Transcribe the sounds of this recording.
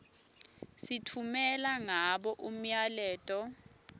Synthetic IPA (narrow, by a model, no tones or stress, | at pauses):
sitʰumɛlaŋaɓɔʔum̩jalɛːtʼɔ